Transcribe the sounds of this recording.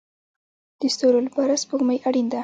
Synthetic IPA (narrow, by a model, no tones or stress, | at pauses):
d̪̥əst̪oɾolbaɾaspəɣmajʔaɽind̪a